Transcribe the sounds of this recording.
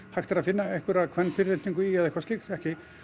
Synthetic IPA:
haxt̪aɾaðfɪnːaɛhkʏɾaðkʰvɛnːfɪɾɪlt̪iŋkʏiaðɛhkvast̪ixt̪ɛhcɪ

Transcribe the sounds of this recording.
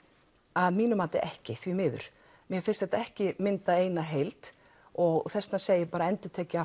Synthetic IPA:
aðmiːnʏmaːt̪ɪ̰ʔɛhcɪθvimɪːðʏ̰ɾ̥ | mjɛfɪnst̪θɛht̪aɛhcɪmɪnt̪aeːjnaɦejlt̪ | ɔɣθɛst̪naseːjɪpaːɾaɛnt̪ʏɾ̥t̪ʰɛːcɪa

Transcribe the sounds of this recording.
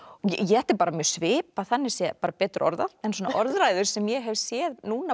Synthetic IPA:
ɔɣɛ̰jɛɛht̪ɪɾpaːɾamjœːɾ̥svɪːpaθanːɪ̥sjɛpaːɾapɛːt̪ɾʔɔ̰ɾðaɛnsɔːnaʔɔɾðɾaːjðʏɾ̥sɛmjɛɦɛvsjɛðnuːna

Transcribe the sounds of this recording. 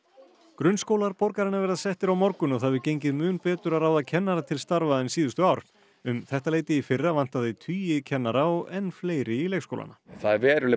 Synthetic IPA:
kɾʏnskowlaɾpɔɾkaɾɪnavɛɾðaðsɛht̪ɪɾawmɔɾkʏnɔɣθaðvɪcejɲcɪðmʏːnpɛːt̪ʏɾaðɾaːwðacʰɛnːaɾat̪ʰɪlst̪aɾvaðɛnsiːðʏst̪ʏaːwɾ̥ | ʏmθɛht̪aleːjt̪ɪifɪrːavan̥t̪aðɪt̪ʰyːjɪcʰɛnːaɾaɔɣɛnːfleːjɾɪilejsko̰wla̰naθaðvɛːɾʏlɪ

